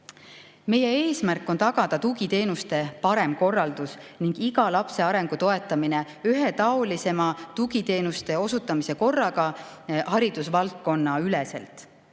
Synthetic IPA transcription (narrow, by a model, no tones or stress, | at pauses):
me̞je̞e̞ːsmærkːˑo̞nt̪ɑɡ̥ɑd̪̥ɑt̪uɡit̪e̞ːnust̪e̞pɑɾe̞mko̞rːɑld̪̥usniŋɡ̥iɡ̥ɑlɑpse̞ɑɾe̞ŋɡ̥ut̪o̞e̞t̪ːˑɑmine | yɦe̞t̪ɑolise̞mɑt̪uɡit̪e̞ːnust̪e̞o̞sut̪ːˑɑmise̞ko̞rːɑɡɑhɑɾid̪̥usvɑlt̪̚ko̞nːɑylese̞̰lt̪ˑ